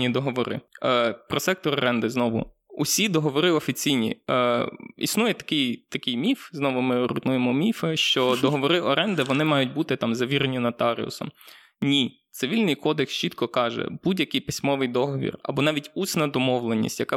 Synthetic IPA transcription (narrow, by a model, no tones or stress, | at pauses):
id̪ɔɦɔʋɔɾɪ̰pɾɔsɛk̚t̪ɔɾɔɾɛnd̪ɪznɔʋʊ̰ | ʊsʲid̪ɔɦɔʋɔɾɪɔfʲit͡sʲijnʲḭ | ḭsnujɛt̪ɐ̥kɪjt̪ɐkɪjmʲifznɔʋʊmɪɾʊ̰nujemɔmʲifeʃt͡ʃɔd̪ɔɦɔʋɔɾɪʔɔɾɛnd̪ɪʋɔnɪmɑjʊtʲbut̪ɪt̪ɑmzɐʋʲiɾenʲinɐt̪ɑɾʲɪ̰ʊ̰sɔ̰m | nʲi | t̪sɪʋʲilʲnɪjkɔd̪ekst͡ʃit̪kɔkɑʒɛ̰budʲjɐkɪjpɪsʲmɔʋɪjd̪ɔɦɔʋʲḭrɐ̰bɔnɑʋʲitʲusʲnɐd̪ɔmɔwlˠenʲːḭsʲtʲjɐkɑ